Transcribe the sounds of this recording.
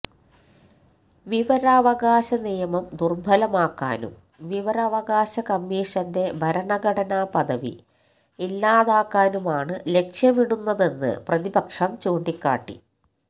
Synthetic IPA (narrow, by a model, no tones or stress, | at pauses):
ʋiʋɐɾɐːʋɐɣaːɕɐnijɐmɐmd̪urbʱɐlɐmaːkːa̰ːnṵm | ʋiʋɐɾɐːʋɐɣaːɕɐkɐmːiːʂɐnde̞bʱɐɾɐɳɐɡɐɽɐnaːpɐðɐʋḭ | ilːaːðaːkːaːnumaːɳɨle̞kʂjɐmiɽunːɐðe̞nːɨ̰prɐðibɐkʂɐmt͡ɕoːɳɖikʲːa̰ːʈːḭ